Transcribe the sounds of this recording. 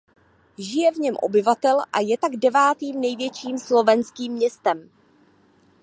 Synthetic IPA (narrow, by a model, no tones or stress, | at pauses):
ʒɪjɛvɲɛmʔo̞̰bɪvat̪ɛlʔa̰jɛt̪aɡdɛvaːt̪iːmnɛjvjɛt͡ʃiːmslo̞vɛnskiːmːɲɛst̪ɛm